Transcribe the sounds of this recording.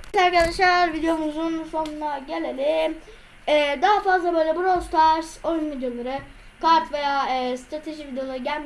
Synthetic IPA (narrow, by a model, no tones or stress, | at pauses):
kʰaɾkʰad̪aʃlˠaɾvid̪ejo̞muzunso̞nunaɟe̞lʲelʲɪm | ɛːd̪aɦafazlˠabø̞jlʲɛbuɾost̪ʰaʃo̞jynvid̪jo̞lˠaɾɯ | kʰaɾt̪ve̞jaːɯːst̪ɾat̪ʰe̞ʒivid̪ejo̞lˠaɾɯɟælʲm